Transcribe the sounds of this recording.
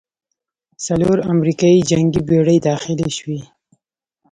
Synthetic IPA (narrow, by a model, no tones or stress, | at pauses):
saloɾamɾikɑid͡ʒaŋɡibeɽəjd̪ɑxɪleʃwi